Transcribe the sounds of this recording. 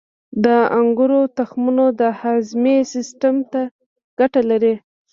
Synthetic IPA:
d̪əaŋɡʊɾot̪axmunod̪əhazmesɪsʈamt̪a | ɡ̥aʈalaɾi

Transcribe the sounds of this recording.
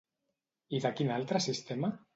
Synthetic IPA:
iðakinalt̪ɾasist̪ema

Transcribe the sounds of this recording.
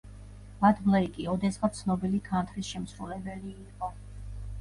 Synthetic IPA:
mad̪blˠɛikʼiɔd̪ɛsʁat̪sʰnɔbilikʰant̪ʰɾisʃɛmsɾulɛbɛliːqʼɔ

